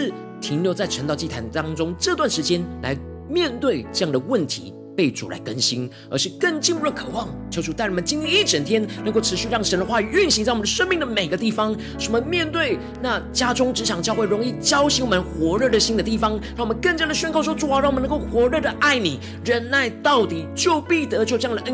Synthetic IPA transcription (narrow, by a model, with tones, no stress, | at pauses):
t̪ʰi˧˥ŋljo˧˥t͡sa˥˩ɪʈ͡ʂʰə˧˥nt̪ɑ˥˧ʊt͡ɕi˥˩t̪ʰa˧˥nt̪ɑ˥ŋʈ͡ʂʊ˥ŋʈ͡ʂɤ˥˧t̪wa˥˩nʂɻ̩˧˥t͡ɕjɛ˥nla̰˧˥ɪ | mjɛ˥˧nt̪we˥˩ɪʈ͡ʂɤ˥˧jɑ˥˩ŋd̪ə˩wə˥˩nt̪ʰḭ˧˥ | pe˥˩ɪʈ͡ʂṵ˨˩la̰˧˥ɪkə˦nɕi˥n | ə̰˞˧˥ʂ̩˥˧kə˥˩ŋt͡ɕi˥˧npu˥˩ə˩kʰɤ̥˨˩wɑ˥˩ŋt͡ɕʰjo˧˥ʊʈ͡ʂu˨˩t̪a˥˩ɪwmə˧˦nt͡ɕi˥nli˥˧i˥˩ʈ͡ʂə˨˩nt̪ʰjɛ˥nnə˧ŋko˥˩ʊʈ͡ʂ̩ʰ˧˥ɕy˥˧ɻɑ˥˩ŋʂə˦˥nd̪ə˧xwa˥˩y˨˩y˥˩nɕi˧˥ŋt͡sa˥˩wɔ˨˩nd̪əʂə˥nmi˥˩ŋd̪ə˩me˨˩ɪɡə˦t̪i˥˩fɑ˦ŋ | ʂə˧˥˩mə˧mjɛ˥˧nt̪we˥˩ɪ | na˥˩t͡ɕja˥ʈ͡ʂʊ˥ŋʈ͡ʂɻ̩˧˥ɕjɑ˨˩ŋt͡ɕjɑ˥˧ʊxwe˥˩ɪɻʊ˧˥ŋi˥˩t͡ɕjɑ˥ʊɕi˧˥ŋwɔ˨˩mə˧˦nxwɔ˧˥ɻə˥˩d̪ə˩ɕi˥nd̪ə˨t̪i˥˩fɑ˥ŋɻŋwɔ˨˩mə˦nkə˥˧nt͡ɕja˥d̪ə˩ɕɥɛ˥˧nkɑ˥˩ʊʂwɔ˥ʈ͡ʂu˨˩ɑ˧˦ɻɑ˥˩wn˧˦ŋko˥˩ʊxwɔ˧˥ɻə˥˩d̪ə˩ʔa˥˩ɪni˨˩ | ɻə˧˥nla˥˩ɪt̪ɑ˥˩ʊt̪i˨˩t͡ɕjo˥˧ʊpi˥˩t̪ɤ˧˥t͡ɕo˥˩ʈ͡ʂjŋd̪ə˩˥